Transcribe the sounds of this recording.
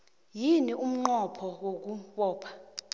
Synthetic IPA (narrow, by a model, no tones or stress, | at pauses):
jiniʔum̩ŋ͡ǃɔpʰɔwok̬uɓɔːpʰḁ